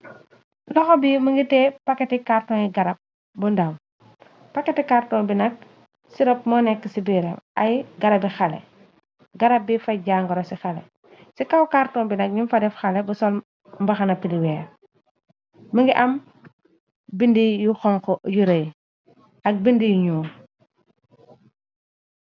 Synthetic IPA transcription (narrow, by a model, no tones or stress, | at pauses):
lɔxɔbiməŋɡitɛːpakːetikaɾtɔniɡaɾɐp̚ | bundam | pakːetikaɾtɔːnbinɐk̚ | siɾɔp̚mɔnɛkːisibiɾɛ̰mʔajɡaɾɐbixalɛ̰ | ɡaɾɐp̚bifaɟaːŋɡɔɾɔsixalɛ̰ | sikawkaɾtɔːmbinɐk̚ɲimfadɛfxalɛbusɔl | mbɐxɐnɐpːiliwɛːɾ | məŋɡiʔɐm | bindijuxɔŋkɔjuɾɐj | ɐk̚bindijuɲuː